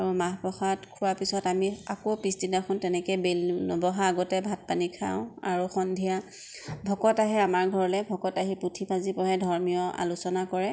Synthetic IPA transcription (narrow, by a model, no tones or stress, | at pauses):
aɹumaɦpɔxatkʰʊwaɹpisɔtamiakopisdinaxʰɔntɛnɛkɛbelnɔbɔɦaːɡɔtɛbʱat̚panikʰa̰ʊ̃a̰ɹuxɔndʱija | bʱɔkɔtaɦɛamaɹɡʱɔɹɔlɛbʱɔkɔtaɦiputʰipʰazipɔɹɛdʱɔɹmijɔa̰lusɔnakɔɹɛ